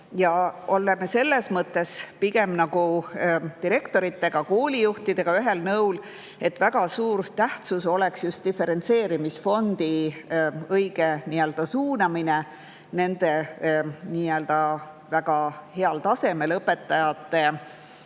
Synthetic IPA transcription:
jɑo̞lːemese̞lːesmɤt̪ːe̞spiɡ̥e̞mnɑɡ̥u | t̪iɾe̞kt̪o̞ɾit̪ːˑe̞ɡ̥ɑkoːlʲijuht̪id̪̥e̞ɡ̥ɑyɦe̞lnɤwl | e̞t̪væɡ̥ɑsuːɾt̪æht̪suso̞le̞ksjust̪̚d̪̥ife̞ɾe̞nt̪se̞ːɾimisfo̞nd̪̥i | ɤjɡ̥eniø̞ld̪̥ɑsuːnɑmine | ne̞nd̪̥e̞ | niːøld̪̥ɑ | væɡ̥ɑhe̞ɑlt̪ɑse̞me̞lɤpːe̞t̪ˑːɑjɑt̪ːe̞

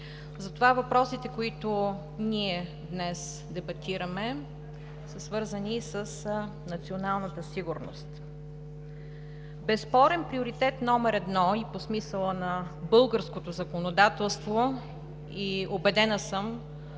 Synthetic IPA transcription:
zɐt̪ovavɐpɾɔsit̪ɛkoit̪ʊ | niɛ | d̪nɛs | d̪ɛbɐt̪iɾəmɛ | səsvɤɾzənisəs | nɐt̪sionalˠnət̪əsiɡʊɾno̰st̪ | bɛspɔɾɛnpɾioɾit̪ɛt̪nɔmɛɾɛd̪nɔiposmisəlˠənɐbɤlˠɡəɾskot̪ozɐkonod̪at̪ɛlˠst̪vo | iobɛd̪ɛnəsəm

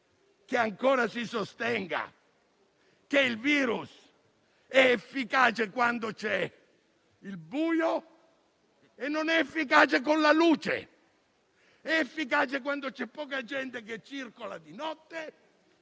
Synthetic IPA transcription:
keaŋkoːɾasisost̪ɛŋɡa̰ | keilviːɾus | ɛefːikaːt͡ʃekwand̪ot͡ʃɛ | ilbuːjo | enːonɛefːik̬aːt͡ʃek̬onlaluːt͡ʃḛ | ɛːfːikaːt͡ʃekwand̪ot͡ʃɛpːɔːkad͡ʒɛnt̪ek̬et͡ʃːirkolad̪inɔt̪ːe

